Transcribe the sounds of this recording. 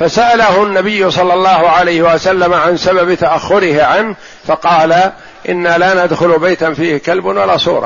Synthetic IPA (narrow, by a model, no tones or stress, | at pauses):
fasaʔalahʊnːabɪjːʊsˤɑlːɑlˤːɑːhʊʕalajhɪwasalːamaʕansababt̪aʔaxːʊɾɪhɪʕanh | fɑqɑːla | ʔɪ̰nːaːlaːnad̪xʊlbajt̪anfiːhɪkalbanwalaːsˤuːɾˤɑ̰